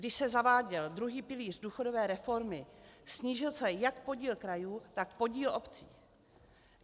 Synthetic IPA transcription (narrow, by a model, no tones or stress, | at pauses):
ɡdɪʃsɛzavaːɟɛld̪ɾuɦiːpɪliːr̝duːxodo̞vɛːɾɛfo̞ɾmɪsɲiːʒɪlsɛjakpo̞ɟiːlkɾajuːt̪ak̚po̞ɟiːlo̞pt͡sḭː